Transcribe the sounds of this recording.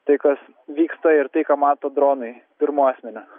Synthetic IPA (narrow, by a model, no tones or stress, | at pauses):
t̪ɐɪkɐs | ʋʲiːkst̪ɐɪɾt̪ɐɪkɑːmɑːt̪oːd̪ɾoːnɐɪpʲɪɾmoːɑːsʲmʲɛnʲʊ